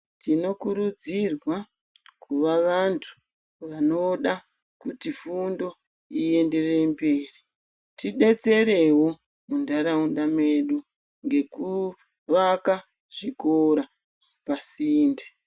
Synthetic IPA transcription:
tino̞kuɾud͡zirwa | kʰuʋaʋantʰu̥ | ʋano̞ɗa | kutifundo̞ | ie̞nde̞re̞mbe̞ːri | tiɗe̞t͡se̞ɾe̞wo̞ | mundaɾaunɗameɗu | ŋɡe̞ku | ʋaka | ʐ̥ikoɾa | pasiːnde

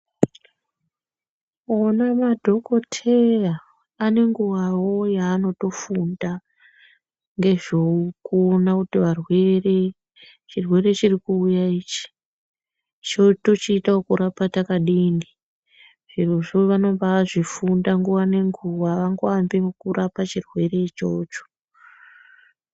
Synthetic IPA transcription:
onamadʱo̞ko̞tʰe̞raː | ne̞ŋɡuwawojaːno̞to̞funda | ŋɡe̞ʐoukuonakutiʋarwere | t͡ʃirwe̞re̞t͡ʃirikuːjaiːt͡ʃi̥ | t͡ʃoto̞t͡ʃiːtaokuɾapatakaɗiːni | ʐ̥iruʐoʋano̞mbaːʐifundaŋɡuwane̞ŋɡuwaʋaŋɡoambikurʔapat͡ʃirwe̞re̞t͡ʃo̞ːt͡ʃo̥

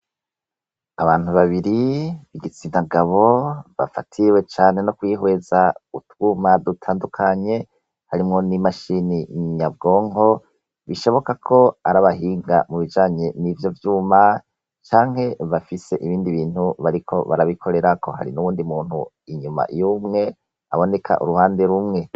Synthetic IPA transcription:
aβaːn̥uβaβiɾiβiɡit͡siːnaɡaβo̞βa̰fa̰tʰiwe̞t͡ʃaːne̞nokwiːɦwe̞zautɡuːmadutʰaːndukʰaɲe̞ | haɾimŋo̞nimaʃiniɲab̚ɡo̞ːŋo̞ | βiʃo̞βo̞kakʰo̞aɾaβaɦiːŋɡa̰muβid͡ʒaːɲe̞nivjo̞vjuːma | t͡ʃaːŋ̥he̞βafise̞ʔiβiːndiβiːn̥huβaɾikʰo̞βaɾaβikʰo̞ɾe̞ɾakʰo̞hɦa̰ɾḭnuβuːndimuːn̥hṵ | iɲuma̰jumŋe̞ | a̰βo̞ne̞kʰa̰ʔṵɾuhaːnde̞ɾumŋe̞

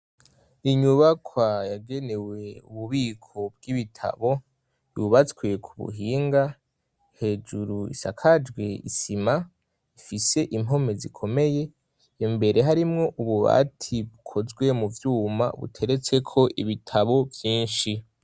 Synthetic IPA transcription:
iɲuβakwajaɡe̞ne̞we̞uβuβiːkʰo̞b̚ɡiβitʰa̰βo̞ | juβat͡skwekʰuβṵɦiːŋɡa | he̞ːd͡ʒuɾuḭsakʰad͡ʒɡweḭsima | ifise̞ʔimɦo̞me̞zikʰo̞me̞je̞ | jembe̞ɾe̞ɦaɾimŋo̞ʔuβuβa̰tʰiβukʰo̞zɡwe̞muvjuːma̰βṵtʰe̞ɾe̞t͡se̞kʰo̞ʔiβitʰaβo̞vjiːnʃi

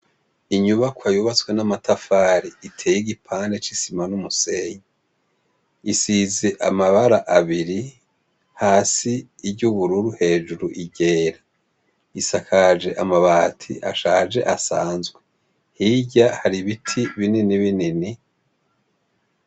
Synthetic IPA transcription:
iɲuβakwajuβat͡swenamatafaːɾiitʰeːjiɡipʰaːndet͡ʃisimanumuse̞ːɲa | isizeʔamaβaɾaʔaβiɾi | haːsiːbɟuβuɾuɾuhe̞ːʒuɾuʔiɟe̞ːɾa | isakʰaʒe̞ʔamaβaːtʰḭʔaʃaːʒe̞̰ʔasaːnzɡwe | hiɟahaɾiβitʰiβininiβinini

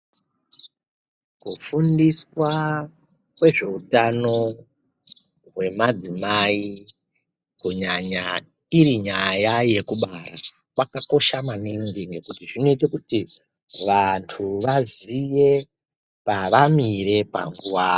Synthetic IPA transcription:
kufundiswa | kwe̞ʐe̞utano̞ | ɦwe̞mad͡zimai | kuɲaɲa̰ | iɾiɲajaje̞kuɓarakwakako̞ʃamaniŋɡiŋɡe̞kutiʐinoitekuti | ʋantʰuʋazije̞ | paʋamiɾe̞pa̰ŋɡuwaː

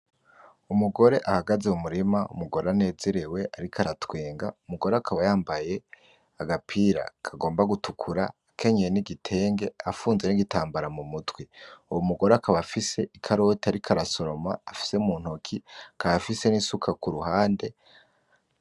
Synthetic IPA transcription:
umuɡo̞ɾe̞ʔahaɡazeumuɾimaṵmuɡo̞ɾeane̞ːzeɾewe̞ʔaɾikaɾatweːŋɡa̰umuɡo̞ɾeakʰaβajaːmbaje̞ | aɡapʰiɾa̰kʰaɡo̞ːmbaɡutukʰuɾa | kʰe̞ɲeeniɡitʰe̞ːŋɡe̞afuːnze̞niɡitaːmbaɾamumutweuwomuɡo̞ɾeakʰaβafise̞ikʰaɾo̞tiaɾikʰaɾaso̞ɾo̞ma̰ːfi̥se̞umuːn̥hokʰikajafise̞nisukʰakuɾuɦaːnde̞

